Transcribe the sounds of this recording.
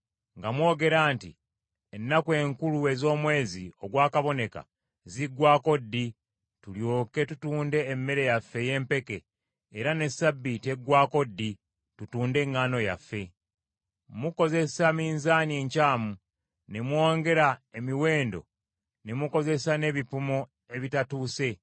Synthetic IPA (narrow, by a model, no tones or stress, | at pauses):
ŋɡamwo̞ːɡe̞ɾaːntḭ | enːakwe̞ːŋkulue̞zo̞ːmwe̞ːzio̞ɡwaːkaβo̞ne̞ka̰ | ziɡwaːko̞dːi | tuljoːke̞tutuːnde̞ːmːe̞ɾe̞jafːe̞je̞ːmpe̞ke̞ː | ɾane̞sabːiteɡwaːko̞dːi | tutuːnde̞ŋːaːno̞ja̰fːe̞ | muko̞ze̞samiːnzaːneːɲcaːmu | nemwo̞ːŋɡe̞ɾaemiwe̞ːndo̞̰ | nemuko̞ze̞sane̞βipumo | e̞βitatuːse̞